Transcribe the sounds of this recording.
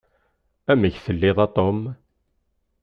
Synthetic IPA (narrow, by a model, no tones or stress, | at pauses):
æməçθəlːiðˤɑt̪ˤom